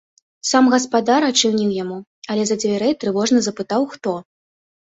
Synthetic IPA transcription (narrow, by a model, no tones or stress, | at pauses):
samɣɐspad̪aɾat͡ʂɨwnʲiwjamu | ɐlʲɛzɐd͡zʲvʲaɾɛjt̪ɾɨvɔʐnɐzɐpɨt̪awxt̪ɔ